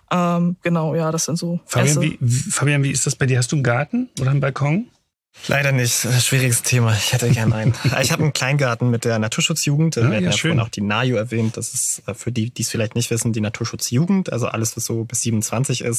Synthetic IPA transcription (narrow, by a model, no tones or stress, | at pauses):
ʔɛːmɡ̥ənaʊjaːɾasz̥ɪntz̥oːfaːbjanvḭːvifaːbijanviːɪstd̥asb̥aɪdiːɐhastd̥uːnɡaɐtn̩ʔoːɾɐnbalkʰɔŋ | lʔa̰ɪɾɐnɪçtːʃv̥iːʁɪɡəsttʰeːmaɪçhɛtəɡɛɐnʔaɪnaɪçhaːbnkʰl̥aɪnɡaɐtn̩mɪt̚d̥eːɐnatʰuːɐʃʊt͡sjuːɡŋ̩teːjafʃɔøːnaʊxd̥iːnaːjoɛɐvɛːnt̚d̥asɪsɛfyːɐdiːd̥iːsfɪlaɪçtnɪçtv̥ɪsn̩diːnatʰuːɐʃʊt͡sjuːɡŋ̩tʔa̰lzo̰ʔa̰ləsv̥asz̥oːbɪsz̥iːbmnʊnt͡sv̥ant͡sɪçɪ̰st